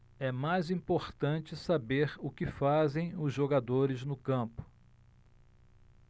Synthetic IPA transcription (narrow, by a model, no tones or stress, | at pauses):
ɛmajzĩpoɾt̪ɐ̃t͡ʃɪsabeɾʊkɪfazẽj̃ʊzʒoɡad̪oɾɪznʊkɐ̃pʊ̥